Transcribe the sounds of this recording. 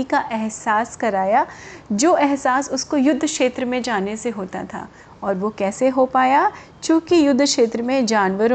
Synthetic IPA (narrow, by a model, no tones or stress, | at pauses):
ikaʔɛɦsaːskɐɾaːjad͡ʒoːʔɛɦsaːsʊskojʊd̪ʱːkʃeːt̪ɾəmẽd͡ʒaːneseɦoːt̪a̰t̪ʰa̰ː | ɔːɾʋokɛːseɦopaːja | t͡ʃũːkijʊd̪ʱːkʃeːt̪ɾəmẽd͡ʒaːnʋəɾ